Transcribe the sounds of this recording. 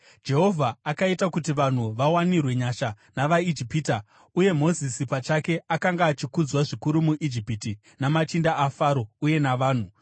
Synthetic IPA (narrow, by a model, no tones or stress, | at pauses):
d͡ʒe̞ɦo̞vʱaːkaitakutiʋan̤uʋawanirwe̞ɲaʃa | naʋaid͡ʒipiːta | uje̞mo̞zisipat͡ʃake̞akaŋɡaːt͡ʃikud͡zwaʐikuɾumuʔid͡ʒipiti | namat͡ʃindaʔafaːɾo̞uje̞naʋaːn̤u